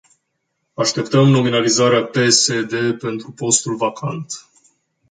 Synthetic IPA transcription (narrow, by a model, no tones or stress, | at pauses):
aʃt̪e̞p̚t̪əmno̞minalizaɾeape̞sed̪e̞pe̞nt̪ɾupo̞st̪ulvakʰa̰nt̪